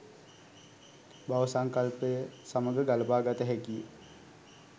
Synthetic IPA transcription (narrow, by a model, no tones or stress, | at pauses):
baʋəsaŋkalpəjəsaməɡəɡaləpaːɡat̪əɦɛkijə